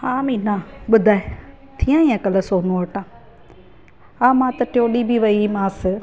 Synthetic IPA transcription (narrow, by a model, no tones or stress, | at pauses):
aːmĩnaɓʊd̪ʱaːɦe | t̪ʰijãːĩãkɐləsoːnõʋɐʈãː | aːmãːt̪ɐʈjoːɗibʱiʋɐimãːsɪ